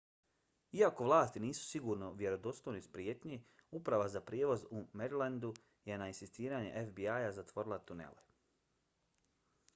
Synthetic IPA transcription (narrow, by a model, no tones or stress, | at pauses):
iako̞ʋlˠaːst̪iniːsu̥siɡuːɾno̞ʋje̞ɾo̞d̪o̞st̪ojnispɾjeːt̪ɲe | upɾaʋazapɾjeːʋo̞zumeɾiland̪u | je̞nainsist̪iːɾaːɲḛʔefbiajazat̪ʋo̞ɾilˠat̪unḛlḛ